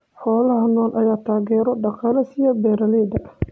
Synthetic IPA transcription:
ħɔːlɐɦɐnɔːnʔɐjaːt̪ʰaːɣɛːɾɔɖɑqɑːlɐsijɔbɛːɾɐlɛːd̪ɐ

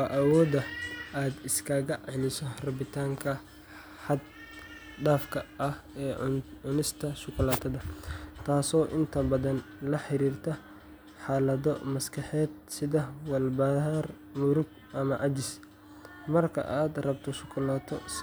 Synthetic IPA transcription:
wɑːʔɐwɔːd̪ɐaːd̪ɪskʰaːɣɐʕɪlɪsɔrɐbɪt̪ʰaːŋkʰɐ | ħɐd̪ | ɖaːfkʰɐɐhɛːʊnɪst̪ʰɐʃʊkʰʊlaːt̪ʰɐðɐt̪ʰaːsɔːʔɪnt̪ʰɐbɐðɐn | lɐħɪɾiːrt̪ʰɐ | ħaːlɐðɔmɐskʰɐħɛːd̪sɪðɐwɐlbɐar | mʊɾʊɡ̚ | ʔɐmɐʔɐd͡ʒɪs | mɐrkʰɐ̰ʔaːd̪rɐbt̪ʰɔʃʊkʰʊlaːt̪ʰɔs

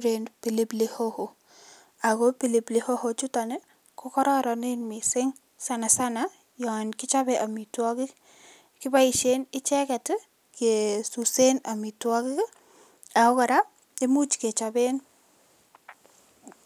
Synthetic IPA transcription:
uɾenpilɪplɪhoho | akopilɪplɪhohot͡ʃutanɪ | kɔkɔɾɔɾɔnɪnmɪsɪŋ | sanasana | jɔnkɪt͡ʃabɛʔamitwɔkɪk | kɪbaiʃenɪt͡ʃɛkɛt | kesusenamitwɔkɪk | akɔkɔɾap̚ | emut͡ʃket͡ʃaben

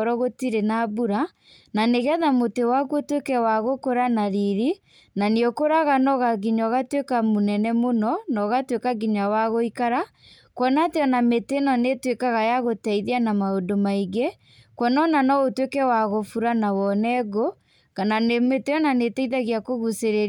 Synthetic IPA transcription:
ɔɾɔɣotiɾenabuɾa | naneɣɛðamotewakotwekɛwaɣokoɾanaɾiɾi | naneokoɾaɣanɔɣaɡiɲɔɣatwekamonɛnɛmonɔnɔɣatwekaɡiɲawaɣoikaɾa | kwɔnateɔnametenɔnetwekaɣajaɣotɛiðeanamaodomaiɡe | kwɔnɔnanɔotwekɛwaɣofuɾanawɔnɛɣo | kananemeteɔnaneteiðaɣiakoɣuseɾeɾ

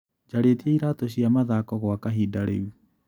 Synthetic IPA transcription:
d͡ʒaɾetiaiɾaːtoɕ̬iamaðakɔɣwakaɦidaɾḛu

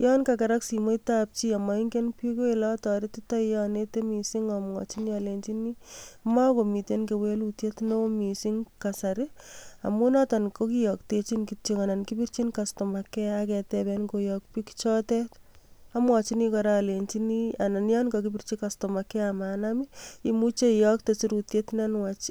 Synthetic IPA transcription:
jɔnkakɛɾaksimoitap̚t͡ʃiamaiŋkenpikoilɔtɔɾitɪtajɔnetemisiŋamwɔ̰t͡ʃinialent͡ʃinimakomitenkewelutjetnomisiŋkasaɾɪa̰munɔtankokijɔk̚tet͡ʃinkitikanankipirt͡ʃinkastɔmakɛakɛtɛbɛnkojɔk̚pikt͡ʃɔtɛtamwat͡ʃinikɔɾalent͡ʃiniananjankɔkipirt͡ʃikastɔmakɛamaːnamiimut͡ʃeijɔk̚tesiɾutjetnanwat͡ʃ

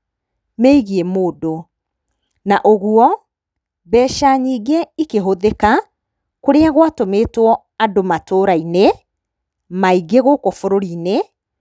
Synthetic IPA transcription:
meiɣiemoːdo | naʔoɣwɔ | bɛːʃaɲiːɡeikeɦoðeka | koɾeaɣwatomeːtwɔ | adomatoɾaine | maiɡeɣokofoɾoɾine

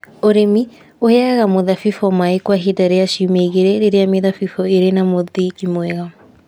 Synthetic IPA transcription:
oɾemi | oheaɣamoðafifɔmaekwaɦedaɾeaʃiumeiɣeɾɛɾeɾeameðafifɔeɾenamoðikimwɛɣa

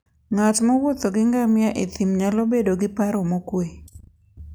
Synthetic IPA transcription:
ŋat̪mɔwot̪oɡɪŋɡamɪjaʔet̪imɲalobedoɡɪpaɾɔmokwe

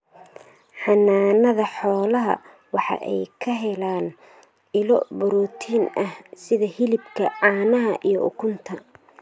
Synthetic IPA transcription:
ħɑnːaːnɐðɐħɔːlɐɦɐ̰ | wɑħɑ̰ʔɛjkʰɐɦɛlaːn | ɪlɔbɔɾɔːt̪ʰiːnɐhsɪðɐhɪlɪbkʰɐʕɑːnɐɦɐʔijɔʔʊkʰʊnt̪ʰɐ

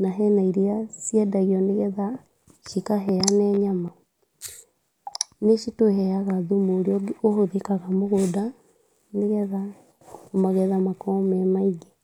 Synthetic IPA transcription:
naɦɛnaiɾiasiɛdaɣiɔneɣɛða | ʃikaɦɛanɛːɲama | neʃitoɦɛaɣaðumoɾiɔɡohoðekaɣamoɣoda | neɣɛða | omaɣɛðamakɔmɛmaiɡe

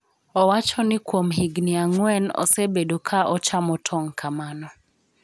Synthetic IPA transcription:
ɔwat͡ʃɔnɪkwomɦiɡnɪaŋwɛnɔ̰sebedokʰaʔɔt͡ʃamɔtʰɔŋkʰamanɔ

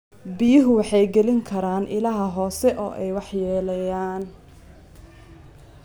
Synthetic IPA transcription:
bɪjɪɦʊwɑħɑjɡɛlɪŋkʰɐɾaːnʔɪlaːɦɐɦɔːsɛʔɔ̰ːʔɛjwɑħjɛːlɐjaːn

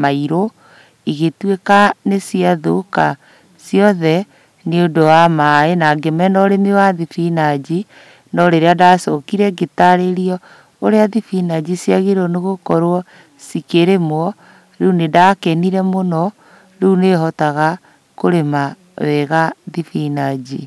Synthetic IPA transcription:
maiɾo | iɣetwekanesiaðoka | sjɔðɛ | neodowamaenaɡemɛnɔɾemewaðifinad͡ʒi | nɔɾeɾeadaːsɔkiɾɛɡetaɾeɾiɔ | oɾeaðifinad͡ʑisjaɣeɾɔneɣokɔɾwɔ | sikeɾemwɔ | ɾeunedakɛniɾɛmonɔ | ɾeuneɦɔtaɣa | koɾema | wɛɣaðifinad͡ʑi

